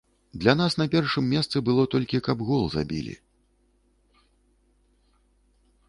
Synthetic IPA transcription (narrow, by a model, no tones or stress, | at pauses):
d̪lʲanasn̪ɐpʲɛrʂɨmːʲɛst̪sɨbɨlˠɔt̪ɔlʲkʲikɐbɣɔlˠza̰bʲḭlʲḭ